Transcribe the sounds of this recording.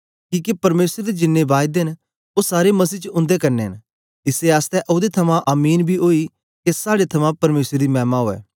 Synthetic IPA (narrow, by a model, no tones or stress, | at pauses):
kiːkepɐɾmeːsɾed̪ed͡ʒɪnːẽbaːjd̪eɦn | osaːɾemɐs̬iːt͡ʃʊ̃nd̪ekɐɾneɦɐn | ɪseaːst̪ɛʔʊd̪et̪ʰɐmãʔaːmiːnbʱiɦoi | kesaːɽet̪ʰɐmãpɐɾmeːsɾed̪imɛːmaɦoːɛ̰ː